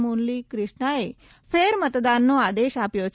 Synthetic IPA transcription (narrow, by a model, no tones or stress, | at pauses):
monlikɾɪʃɳəe | feɾmət̪d̪anːoad̪eʃapjot͡ʃʰ